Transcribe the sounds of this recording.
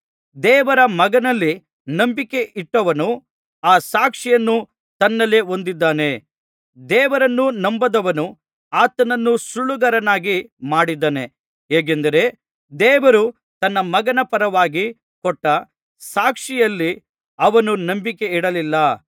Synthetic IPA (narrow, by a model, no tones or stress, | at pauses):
d̪ɛːʋɐɾɐmɐɡɐnɐlːi | nɐmbike̞ʔiʈːɐʋɐnu | aːsaːkʂijɐnːu | t̪ɐnːɐleo̞nd̪id̪ːaːne̞ | d̪ɛːʋɐɾɐnːunɐmbɐd̪ɐʋɐnu | aːt̪ɐnɐnːusuɭuɡɐɾɐnaːɡimaːɽid̪ɐne̞ | eːɡ̬end̪ɐɾe̞ | d̪ɛːʋɐɾu | t̪ɐnːɐmɐɡɐnɐpɐɾɐʋaːɡi | kɔʈːɐ | saːkʂijɐlːi | ɐʋɐnunɐmbike̞iɽɐlilːɐ